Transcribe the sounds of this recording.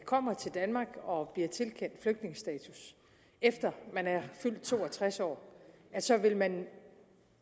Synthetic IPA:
kʰɒ̽m̰ɐt͡sʰe̝ld̥ænmɑ̈ːɡ̥ɒ̽b̥liɐt͡sʰe̝lkʰen̰d̥fløɡ̥̚d̥ne̝ŋəsd̥ɛ̰ːt͡sʰus | efd̥ɐmænæɐfyl̰d̥̚t͡sʰo̝̰ːɒt͡sʰʁasɒ̰ːæsɒ̽ʋe̝lmæn

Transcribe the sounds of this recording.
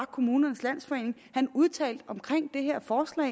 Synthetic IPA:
kʰo̝muːnɐnəslæn̰sfɒ̽e̝̰ːne̝ŋ | hænuð̞ˠt͡sʰɛ̰ːld̥ɒ̽mkʰʁeŋ̰d̥e̝ɦeɐ̰fɒːslɛ̰

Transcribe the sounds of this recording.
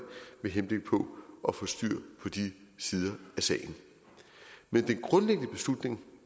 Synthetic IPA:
meɦenb̥le̝ɡ̥̚pʰɒ̽ʔɒ̽fɒ̽sd̥y̰ɐ̰pʰɒ̽d̥isiːð̞ˠɐæsɛ̰ɪn̩ | mend̥enɡ̥ʁɔ̽nleɡ̥ənəb̥e̝slud̥ne̝ŋ

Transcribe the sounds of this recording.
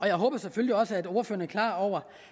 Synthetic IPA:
ɒ̽jɑ̈ɪɦɔ̽ːb̥ɐsefølliɒ̽səæd̥o̝ːɐføːɐnæɐkʰlɑ̰̈ːɒʊ̰ɐ

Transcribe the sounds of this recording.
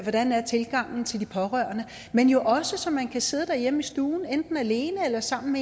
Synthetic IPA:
ʋɒ̽d̥ænæɐt͡sʰe̝lɡ̥ɑ̈ŋ̰n̩t͡sʰe̝ld̥ipʰɒ̽ʁɶɐ̰nə | menjo̝ʔɒ̽səsɒ̽mːænkʰæse̝ð̞ˠd̥æɐjemisd̥uːn̩end̥n̩æle̝ːnəelɐsɑ̈m̰n̩me

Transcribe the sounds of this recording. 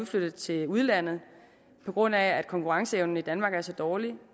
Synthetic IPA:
ðˠflød̥ð̩ˠt͡sʰe̝uðˠlæn̰ð̩ˠ | pʰɒ̽ɡ̥ʁɔ̽n̰ææd̥̚kʰɒ̽ŋkʰuʁɑ̈ŋsəeʊnəid̥ænmɑ̈ːɡ̥æɐsɒ̽d̥ɒːli

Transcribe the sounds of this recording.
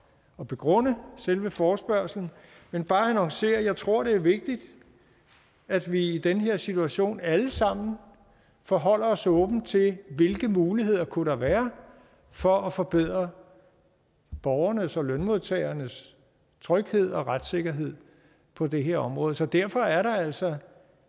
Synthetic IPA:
ɒ̽b̥e̝ɡ̥ʁɔ̽n̰əselʋəfɒːsb̥ɶɐ̰sln̩ | menb̥ɑ̈ːænɒ̽ŋse̝̰ːɐjɑ̈ɪt͡sʰʁo̝ɐ̰ɾ̥e̝æɐʋe̝ɡ̥̚d̥id̥ | æd̥ʋiid̥enəɦe̝ɐ̰sit͡sʰuæɕo̝̰ːnæləsɑ̈m̰n̩ | fɒɦɒ̽l̰ɐɒ̽sɔ̽ːb̥n̩t͡sʰe̝lʋe̝lɡ̥əmuːliɦe̝ð̞̰ˠɐkʰuɾɑ̈ʋæːɐ | fɒ̽æfɒ̽b̥eð̞̰ˠʁɐ | b̥ɒʊɐnəsɒ̽lønmo̝ðˠt͡sʰɛ̰ːɪɐnəs | t͡sʰʁœɡ̥he̝ð̰ˠɒ̽ʁad̥se̝ɡ̥ɐɦe̝ð̰ˠ | pʰɒ̽d̥e̝ɦe̝ɐ̰ɒ̽mʁɔ̽ːðˠsɒ̽d̥æɐ̰fɒ̽æɐɾɑ̈æl̰sɒ̽

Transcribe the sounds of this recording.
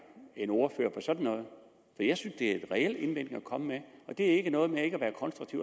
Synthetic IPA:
enoɐføɐ̰pʰɒ̽sɒ̽d̥n̩ːɔ̽ːð̞̩ˠ | fɒijɑ̈ɪsynsd̥e̝æɐe̝dʁɛel̰e̝nʋen̰̥ŋ̩ækʰɒ̽məmeɒ̽d̥e̝æɐe̝ɡ̥ənɔ̽ːð̞̩ˠmee̝ɡ̥æʋæːɐkʰɒ̽nsd̥ʁuɡ̥̚t͡sʰiʊ̰

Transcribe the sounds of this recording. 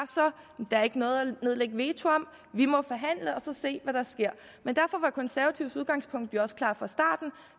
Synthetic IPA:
sɒ | d̥ææɐe̝ɡ̥ənɔ̽ːð̩ˠæne̝ð̞ˠleɡ̥əʋe̝ːt͡sʰoɒ̽m̰ | ʋimɒ̽fɒɦæn̰ləɒ̽sɒ̽se̝̰ːʋæɾ̥ɑ̈sɡ̥e̝ɐ̰ | mend̥æɐfɒ̽ʋɑ̈kʰɒ̽nsæɐʋæt͡sʰiʊ̰suð̞ˠɡ̥ɑ̈ŋspʰɔ̽ŋ̰d̥joɒ̽sə̥kʰlɑ̰̈ːfɑ̈sd̥ɑ̰̈ːd̥n̩

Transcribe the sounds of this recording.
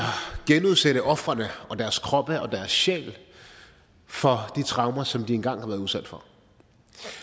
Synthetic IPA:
ɑ̈ɡ̥enuð̞ˠseɾ̥əʔɒ̽fʁɐnəɒ̽d̥æɐskʰʁɒ̽b̥əɒ̽d̥æɐsɕḛːl | fɒ̽d̥it͡sʰʁɑ̈ʊmɐsɒ̽md̥ie̝nɡ̥ɑ̈ŋ̰hɑ̈ʋæːɐðˠuðˠsæd̥fɒ̽

